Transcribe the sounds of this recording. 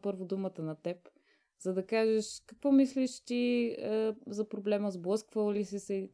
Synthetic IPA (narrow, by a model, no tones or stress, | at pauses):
pɤɾvʊd̪umət̪ənɐt̪ɛp | z̥ɐd̪ɐkaʒɛʃkɐkvɔmisliʃt̪iəzɐpɾoblɛməzblˠɤskvəlˠlisɛsɛ